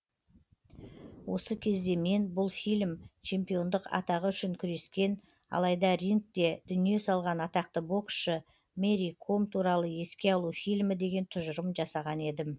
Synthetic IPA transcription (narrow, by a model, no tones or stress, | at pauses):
wʔo̞səkʲʰe̞zd̪e̞me̞nbʊlˠfijlʲmt͡ʃʰe̞mpijo̞nd̪əqɑ̰t̪ɑʁəʏʃɪŋkʲʰʏɾe̞skʲe̞n | ɑ̰lˠɑjd̪ɑɾiŋk̚t̪e̞d̪̥ʏnije̞sɑlˠʁɑnɑt̪ɑq̚t̪əbo̞kʃə | me̞ɾijkʰo̞mt̪ʰuɾɑlˠəe̞skʲe̞ɑlˠufijlmɪd̪e̞ɡʲe̞nt̪ʰʊʒəɾəmʒɑsɑʁɑne̞d̪ɪm